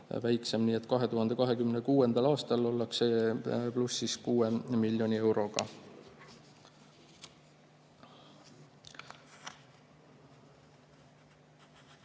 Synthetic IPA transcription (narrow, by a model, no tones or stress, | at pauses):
væjkse̞mniːe̞t̪ːˑkɑɦe̞t̪uhɑnd̪e̞kɑɦe̞kymnekuːe̞nd̪̥ɑlɑːst̪ɑlo̞lːɑkseplusːiskuːemilʲːjo̞nʲie̞wɾo̞ɡ̥ɑ̰